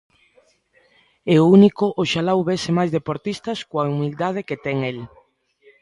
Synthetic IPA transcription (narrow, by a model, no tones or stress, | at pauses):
ɛʊunikʊʔoʃalawβesemajzðepoɾt̪ist̪ɐskoaumild̪að̞eket̪ɛŋel